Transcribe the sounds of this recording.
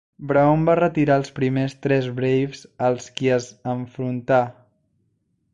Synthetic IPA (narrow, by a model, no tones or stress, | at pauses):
bɾaombarət̪iɾaəlˠspɾimest̪ɾɛzβɾejfzəlˠskiəzəɱfɾunt̪a